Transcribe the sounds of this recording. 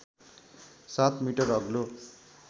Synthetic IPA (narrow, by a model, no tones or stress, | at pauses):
sat̪miʈʌrʌɡlo